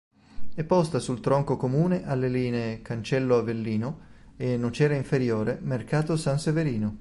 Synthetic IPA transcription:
ɛpːɔst̪asult̪ɾɔŋkokomuːneʔalːeliːneːkant͡ʃɛlːoavelːiːno | enːot͡ʃɛːɾaiɱfeɾjoːɾemerkaːt̪osanseveɾiːno

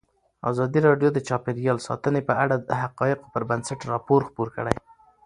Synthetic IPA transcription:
ɑ̰zɑd̪iɾɑɖjod̪ət͡ʃɑpɪɾjɑlsɑ̰t̪ənepəʔaɽad̪əɦaqɑjɪqopəɾbansaʈɾɑpoɾxpuɾkə̰ɽa̰j

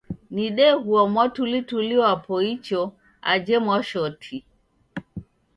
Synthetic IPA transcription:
niɗɛɣuamwatulituliwapɔit͡ʃɔ | ad͡ʒɛmwaʃɔtʰi

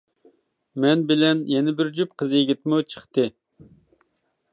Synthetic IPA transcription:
mɛnbɪlɛnjɛnɪbɪɾd͡ʒup̚qʰəzɨjeɡʲɪt̪mʊt͡ʃʰə̥χt̪ɨ

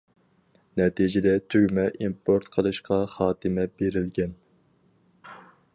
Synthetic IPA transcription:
nɛt̪ʰid͡ʒɪd̪ɛt̪ʰøɡʲmɛʔimpʰoɾt̪qʰəlˠɨʃqʰɑχɑːt̪ʰɨmɛbeɾɪlɡʲɛn

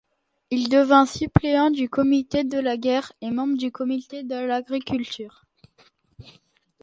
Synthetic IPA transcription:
ild̪əvɛ̃sypleɑ̃d̪ykɔmit̪ed̪əlaɡʲɛʁemɑ̃bʁəd̪ykɔmit̪ed̪əlaɡʁikʲylt̪ʰyːʁ

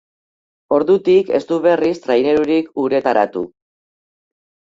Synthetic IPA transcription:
o̞ɾðut̪ike̞̰st̪uβe̞rist̪ɾajneɾuɾikuɾe̞t̪aɾa̰t̪ṵ

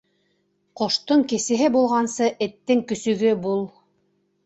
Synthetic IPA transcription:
qŏʃt̪oɴkɘ̆sɘ̆ɦɘbulˠʁɑnsɤʔɘ̆t̪ːɘŋkɵ̆sɵ̆ɡɵbulˠ

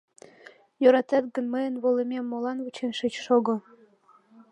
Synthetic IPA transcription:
joɾɑt̪ɑt̪̚ɡə̆nmɤjə̆nβolĕmʲemːolˠɑnβut͡ɕʰenʃɘ̆t͡ɕʃoɡɤ̆

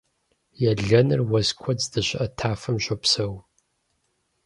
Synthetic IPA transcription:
jɛɮɐnɨrwɐzkʷʰɔd͡zdɨɕʷɪʔɐtʰaːfɐmʒʷopsɐw

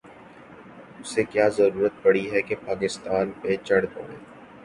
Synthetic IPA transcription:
ʊsekjaːzɐɾuːɾət̪̚pɐɽiɦɛkepaːkɪst̪aːnpet͡ʃɐɽd̪õ̰ːẽː

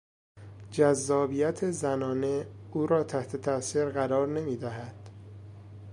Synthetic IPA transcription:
d͡ʒæzːɒːbijæt̪ʰezænɒːne̞uːɾɒːt̪ʰæht̪ʰe̞t̪ʰæsiːɾɢæɾɒːɾne̞miːd̪æɦæd̪̥

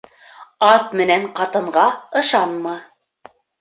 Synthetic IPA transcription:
ɑt̪̚mɘ̆næɴqɑt̪ɤ̆ɴʁɑɤ̆ʃɑnmɑ

